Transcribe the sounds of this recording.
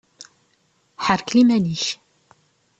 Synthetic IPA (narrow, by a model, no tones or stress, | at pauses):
ħəɾklimæniç